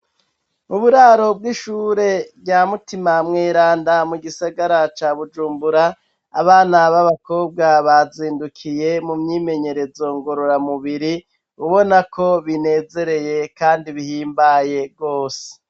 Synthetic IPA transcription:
uβuɾaɾo̞b̚ɡiʃuːɾe̞bɟaːmutimamŋeːɾaːndamuɡisaɡaɾat͡ʃaːβud͡ʒuːmbuɾa̰ː | βaːnaβaβako̞ːb̚ɡaβaziːndukʰije̞mumɲiːme̞ɲe̞ɾe̞zo̞ŋɡo̞ɾo̞ɾamuβiɾi | uβo̞nakʰo̞βine̞ːze̞ɾe̞je̞kaːndiβihiːmbaje̞ɡɡo̞ːse̥

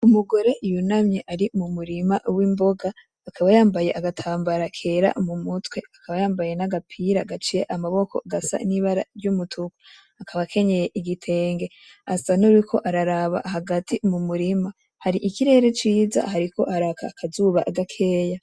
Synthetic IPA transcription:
umuɡo̞ɾe̞ʔijunamɲeʔaɾimumuɾimawiːmbo̞ɡaː | kʰaβajaːmbaje̞ʔaɡatʰaːmbaɾakʰe̞ɾa̰mumutwe̞akaβajaːmbaje̞naɡapʰiɾaɡat͡ʃijeʔamaβo̞ko̞̰ɡasa̰niβaɾa̰ɾjumutʰuku̥ | akʰaβakʰe̞ɲe̞je̞ʔiɡitʰe̞ːŋɡe̞ | asanuikʰo̞ʔaɾaɾaβa̰ɦaɡatʰimumuɾima | haɾiʔikiɾe̞ːɾe̞t͡ʃiːza̰ɦaɾiko̞̰ʔaɾakʰakʰazuːβaʔaɡakʰe̞ːja

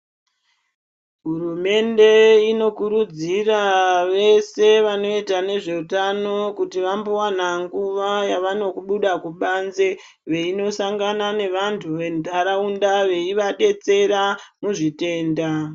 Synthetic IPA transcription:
ɦurume̞nde̞ino̞kuɾud͡ziraʋe̞se̞ʋano̞itane̞ʐe̞utano̞kutiʋambuwanaŋɡuʋajaʋano̞kuɓuɗakuɓanze | ʋe̞ino̞saŋɡanane̞ʋantʰuʋe̞ndʱaɾaundaʋe̞iʋaɗe̞t͡se̞ɾamuʐite̞ːnda

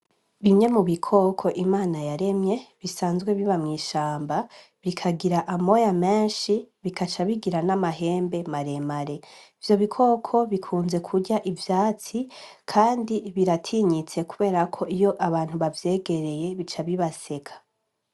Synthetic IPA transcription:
βimɲe̞muβikʰo̞kʰo̞ʔimaːnajaɾe̞mɲe̞βisaːnzɡwe̞βiβamŋiːʃaːmba | βikʰaɡiɾaʔamo̞jame̞ːnʃiβikat͡ʃaβiɡiɾanamaɦe̞ːmbe̞maɾe̞maɾe̞ivjo̞βikʰo̞ːkʰo̞βikʰuːnze̞kʰuɟaʔivjaːt͡si | kʰaːndiβiɾatʰiːɲit͡se̞kuβe̞ːɾakʰo̞ijo̞ʔaβaːn̥uβavje̞ːɡe̞ɾe̞je̞βit͡ʃaβiβase̞kʰḁ

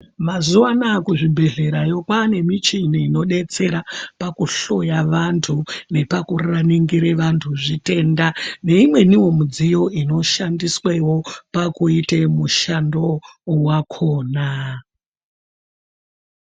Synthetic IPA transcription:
mazuwanakuʐibʱe̞ɮe̞ɾajo̞kwaːne̞mit͡ʃiniːno̞ɗe̞t͡se̞ɾapakuɬo̞jaʋantʰune̞pakuraniŋɡiɾe̞ʋantʰuʐite̞ːndane̞imwe̞niwo̞mud͡zijo̞ino̞ʃandiswewo̞pakuite̞muʃando̞wakʰoːna

